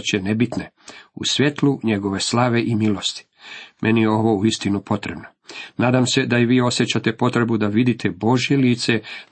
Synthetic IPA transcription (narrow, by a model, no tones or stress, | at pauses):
t͡ɕenebit̪ne | usʋjet̪luɲe̞ɡo̞ʋe̞slaːʋe̞ʔimilˠost̪i̥ | mʔenijeo̞ʋo̞uist̪inupo̞t̪ɾebnonaːd̪amse̞d̪aiʋiːo̞sjet͡ɕat̪e̞po̞t̪ɾe̞bud̪aʋid̪it̪ʰebo̞ʒje̞liːt̪se̞